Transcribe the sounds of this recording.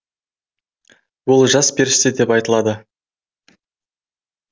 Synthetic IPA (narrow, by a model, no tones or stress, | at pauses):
wo̞lˠʒɑsbe̞ɾɪʃt̪ed̪e̞pɑjt̪əlˠɑd̪ə